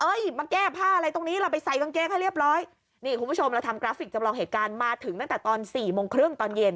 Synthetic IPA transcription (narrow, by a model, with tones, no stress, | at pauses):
ʔɤː˧˥˩jmaː˧kɛː˥˩pʰaː˥˩ʔa˧ɾa˧jt̪o˧ŋniː˦˥ɾa˧wpa˧jsa˨˩˦jka˧nkeː˧˥ŋ̚ɦa˥˩jɾi˥˩əp̚ɾɔː˦˥j | niː˥˩kʰu˧npʰu˥˩t͡ɕʰo˧mɾa˧wt̪ʰa˧mkɾaː˦˥fi˨˩k̚t͡ɕa˧mlɔː˧ŋɦeː˨˩t̪̚kaː˧nmaː˧t̪ʰɯ˩˦ŋt̪a˥˩ŋt̪ɛː˨˩t̪ɔː˧nsiː˨˩moː˧ŋkʰɾɯ˥˩ŋt̪ɔː˧nje˧n